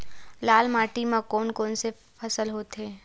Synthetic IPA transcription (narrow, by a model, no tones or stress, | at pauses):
laːlmaːʈimãkoːnkoːnse | pʰɐsəlɦoːt̪eː